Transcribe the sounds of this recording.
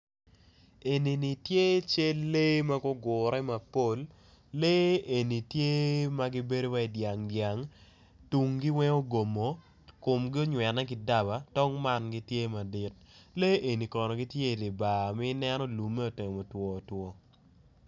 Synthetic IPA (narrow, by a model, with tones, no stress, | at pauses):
e˨ni˨ni˨tje˦t͡ʃe˦le˦ma˦ɡɔ˦ɡʊ˨ɾɛ˦ma˨po˦˨lː | e˦e˨ni˨tje˦ma˦ɡi˦be˦do˦wa˦i˨dja˨ŋdja˨ŋ | tu˨ŋɡi˦wɛ˦o˦ɡo˨mo˨ | kʊ˨mɡɪ˦o˦ɲwɛ˨nɛ˦kɪ˦da˦˨ba˨tɔ˦ŋma˦nɡi˦tje˦ma˨di˨t̚ | le˦ʔe˨ni˨kɔ˨nɔ˨ɡi˦tje˦˨di˨ba˨mi˦nɛ˦nɔ˦lu˨mːe˦o˨te˨ŋ˨mo˨twɔ˨twɔ˨